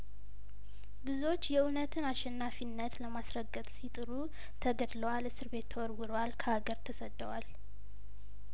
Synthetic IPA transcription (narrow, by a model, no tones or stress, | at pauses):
bɨzuo̞t͡ʃːjɛunət̪ʰɨnaʃɛnːafinːət̪ləmasɾəɡːət̪ʼsit̪ʼɨɾu | t̪ʰəɡəd̪ləwalɨsɨɾbe̞t̪ʰːəwɔɾwɨɾwalkʰəhaɡəɾt̪ʰəsəd̪ːəwal